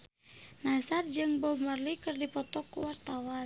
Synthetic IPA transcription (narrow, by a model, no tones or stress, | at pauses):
nasard͡ʒɨŋbɔmərlikɨrdipɔt̪ɔkṵwart̪awa